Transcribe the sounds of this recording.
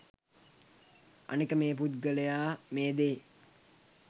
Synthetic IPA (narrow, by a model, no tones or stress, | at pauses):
a̰nikəmeːp̬ut̪ɡələjaːmeːd̪eː